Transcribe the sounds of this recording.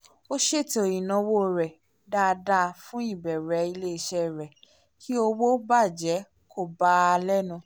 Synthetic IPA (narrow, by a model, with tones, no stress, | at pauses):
o˦ʃe˦˨to˨ĩ˨nɔ̃˨˧˨wo˦˨ɾɛ˨ | da˦˨˧da˦˧fũ˦i˦˨bɛ˨ɾɛ˨˦i˧le˦i˧˨ʃɛ˦˨ɾɛ˨ | kʰi˦o˧wo˦ba˦˨d͡ʒɛ˨˦ | kʰo˦˨ba˨˦a˧lɛ˦nũ˧˨